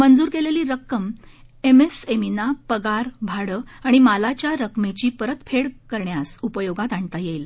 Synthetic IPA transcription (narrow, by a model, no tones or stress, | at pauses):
mənd͡zuːɾkeleliːɾəkːəm | emeseminapəɡaɾbʱaɽəaɽ̃imalat͡ɕjaɾəkmet͡ɕiːpəɾət̪fʰeɽkəɾɳjasupəjoɡat̪aɳt̪ajejl